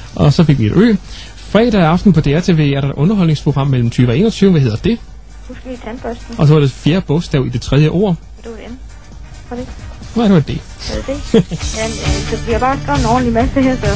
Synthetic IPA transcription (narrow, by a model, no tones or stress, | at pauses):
ʔɒ̽sɒ̽fe̝ɡ̥ʋie̝ɾ̥ø̰ː | fʁɛ̰ːd̥ɛɑ̈fd̥n̩pʰɒ̽d̥e̝æt͡sʰe̝ːʋe̝̰ːæɐɾ̥ɑd̥ʔɔ̽nɐɦɒ̽l̰ne̝ŋspʰʁo̝ɡ̥ʁɑ̈m̰mel̰m̩t͡sʰyːʋəɒe̝̰ːnɒ̽t͡sʰyːʊəʋæɦe̝ð̰ˠɐd̥e̝ | husɡ̥əlit͡sʰænb̥œsd̥n̩ɒ̽sɒʋɑ̈ɾ̥e̝fjeːɐb̥ɔsd̥æʊ̰id̥e̝t͡sʰʁɛð̞ˠjəʔo̝̰ːɐ̰ | d̥eʋden | fɒd̥enɑd̥eʋɑed̥e̝ | ded̥ejæsɒʋiɑb̥ɑ̈ːsɡ̥o̰nɒ̰ːn̩limæsəheɐ̰sɒ